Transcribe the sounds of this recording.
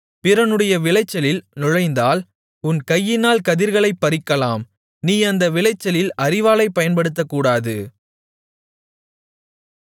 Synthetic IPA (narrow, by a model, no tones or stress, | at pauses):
pɪɾɐnɯɽɐjɐʋɪlɐɪt͡ʃːɐlɪlnʊɻɐɪnd̪aːl | ʊnkɐjːɪnaːlkɐðɪɾɣɐɭɐɪpːɐɾɪkːɐlaːm | niːɐnd̪ɐʋɪɭɐɪt͡ʃːɐlɪlʔɐɾɪʋaːlɐɪpːɐjɐnpɐɽɯt̪ːɐkːuːɽaːðɯ